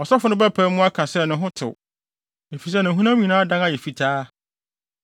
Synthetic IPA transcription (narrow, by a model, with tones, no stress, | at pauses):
ɔ˨sɛ˦fʊ˨nʊ̃˦bæ˦pʰæ˨˦mʊ̃˦a˦kʰã˨sɛ˦˨nʊ̃˨ɦʊ̃˦tʰɪ̰˨ | e˨fi˨s̬ɛ˦nɪ̃˨ɦũ˦nã˦mĩ˨nãː˦dã˦na˦jɛ˨fi˨tʰaː˦